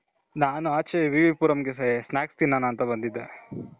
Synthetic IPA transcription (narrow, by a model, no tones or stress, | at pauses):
naːnuaːt͡ʃeʋiʋipuːɾɐmɡessnaːkst̪inːaːnɐːnt̪ɐbɐnd̪id̪ːe